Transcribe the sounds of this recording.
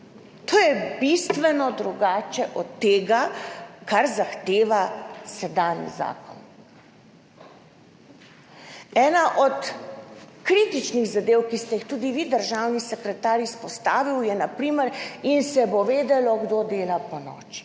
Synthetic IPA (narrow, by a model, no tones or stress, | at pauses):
t̪oːjɛbist̪ʋɛnɔd̪ɾuɡaːt͡ʃɛʔɔt̪ːeːɡakaɾzaxt̪eːʋasɛd̪aːnjḭza̰ːkɔ̰n | ɛːnaʔɔt̪ | kɾiːt̪it͡ʃniɣzad̪eːwkist̪ɛixt̪uːd̪iʋid̪əɾʒawnisɛkɾɛt̪aːɾispɔst̪aːʋiwjɛnapɾiːməɾinsɛboʋeːd̪ɛlɔɡd̪od̪eːlapɔnɔ̰ːt͡ʃi̥